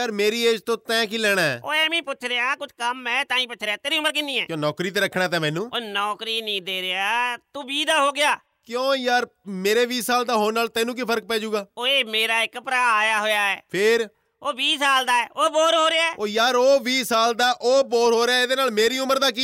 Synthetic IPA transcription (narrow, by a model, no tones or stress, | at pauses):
jaːɾmeːɾiːeːd͡ʒt̪õːt̪ɛ̃ːkiːlɛːɽ̃aːɛːo̰ːeːmĩːpʊt͡ʃʰɾeaːkʊt͡ʃʰkəmɛ̃ːt̪aːĩːpʊt͡ʃʰɾeaːt̪eːɾiːʊməɾk̬ɪnːiːɛːkjõːnɔːkɾiːt̪̬eːɾəkʰːɽaːt̪ãːmɛ̃ːnũːonɔːkɾiːnĩːd̪eːɾeaːt̪uːbiːd̪aːɦoːɡɪjaː | kjõːjaːɾmeːɾeːʋiːsaːld̪aːɦoːnːaːlt̪ɛ̃ːnũːkipʰəɾək̚pɛːd͡ʒuːɡaːoːeːmeːɾaːɪkpɾaːjaːɦoːjaːɛːpʰɪɾ | oːʋiːsaːld̪aːɛːoːboːɾɦoːɾeaɛːoːjaːɾoːʋiːsaːld̪aːʔoːboːɾɦoːɾeaːed̪eːnaːlmeːɾiːʊməɾd̪aːk̬iː